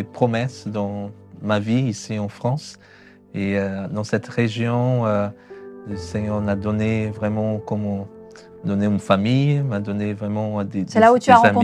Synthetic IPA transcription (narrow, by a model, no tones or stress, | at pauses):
epχɔmɛsd̪ɑ̃ | maviisiɑ̃fχɑ̃s | eød̪ɑ̃sɛt̪ʁeʒjɔ̃ø | əsɛɲœʁmad̪ɔnevʁɛmɑ̃kɔmɑ̃ | d̪ɔneynfamijmad̪ɔnevʁɛmɑ̃d̪edsɛlaut̪yaʁ̃amɔ̃